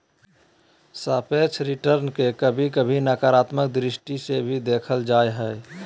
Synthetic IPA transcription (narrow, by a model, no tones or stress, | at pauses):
sapet͡ʃʰɾiʈəɾnkekəbʱikəbʱinakaɾat̪mək̚d̪ɾisʈisebʱid̪ekʰəld͡ʒajɦə